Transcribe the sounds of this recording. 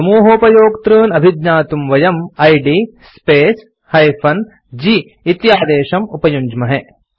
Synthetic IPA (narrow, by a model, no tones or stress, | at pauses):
sɐmuːɦɐːpɐjoːkt̪ɾɯːnɐbʱid̪ɲaːt̪umʋɐjɐmɐjɖispeːs | hɐjfʰɐn | d͡ʒiː | t̪jaːd̪eːʃɐmupɐjuɲd͡ʒmɐɦe